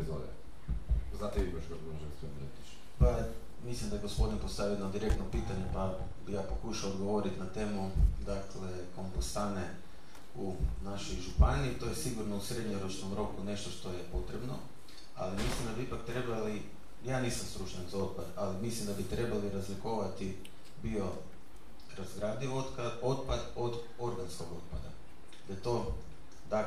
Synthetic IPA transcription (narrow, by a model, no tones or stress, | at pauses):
zo̰ʋɛ̰ | znaːt̪eibaʃɡod̪boʒansponḛt̪it͡ʃ | pa | mislimd̪aeɡo̞spo̞d̪inpost̪aʋijenod̪iɾe̞k̚t̪nopiːt̪aɲe̞pa | bijaːpo̞kuʃaoːd̪ɡoʋo̞ɾit̪nat̪e̞mud̪akle̞ | ko̞mpost̪ane | unaʃojʒupaniːt̪o̞jesiɡuɾno̞usɾe̞d̪ɲeɾot͡ʃnomɾo̞kune̞ʃt̪o̞ʃt̪ojepo̞t̪ɾebno | a̰limislimd̪abiipak̚t̪ɾe̞bali | jaːniːsamst̪ɾut͡ʃɲanzao̞t̪̚pad̪alimislˠimd̪abit̪ɾe̞baliɾazlikoʋat̪i | bio̞ | ɾazɡɾad̪iot̪kao̞t̪pad̪o̞d̪ | o̞ɾɡansko̞ɡo̞t̪̚pad̪a̰ | d̪at̪o̞ | d̪a